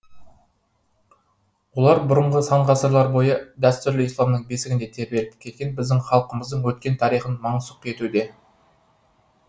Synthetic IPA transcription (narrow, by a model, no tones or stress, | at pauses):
wo̞lˠɑɾbʊɾəɴʁəsɑɴʁɑsəɾlˠɑɾbo̞jəd̪æst̪ʏɾlɪislˠɑmd̪əɴbe̞sɪɡʲɪnd̪e̞t̪ʰeɾbelɪp̚kʲʰe̞t̪ɡʲe̞nbɪzd̪ɪŋχɑlˠqəməzd̪əɴwɵt̪̚kʲe̞nt̪ʰɑɾijχənmɑɴsʊq̚je̞t̪ud̪e̞